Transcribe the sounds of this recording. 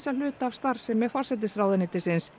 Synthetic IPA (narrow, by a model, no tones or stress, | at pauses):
salʏːt̪aːv̥st̪ar̥sɛmːɛfarsɛt̪̬ɪsraːwðɪnɪt̪ɪsɪns